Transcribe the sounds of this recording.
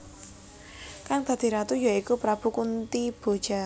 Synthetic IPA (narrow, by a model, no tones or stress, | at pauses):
kaŋd̪̥ä̤d̪̥i̤ɾat̪ujaikupɾab̥ṳkunt̪ib̥o̤d̥ʒ̥a̤